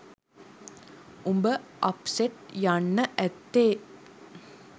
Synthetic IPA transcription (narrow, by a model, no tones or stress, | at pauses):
umbəʔɐpseʈ̚jaɳːəʔɛt̪ːeː